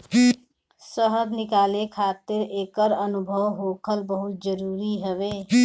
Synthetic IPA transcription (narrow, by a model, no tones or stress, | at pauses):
səɦəd̪nɪkaːlekʰaːt̪ɪɾeːkəɾənʊbʱəʋɦoːkʰəlbəɦʊt̪̚d͡ʒəɾuːɾiɦəʋeː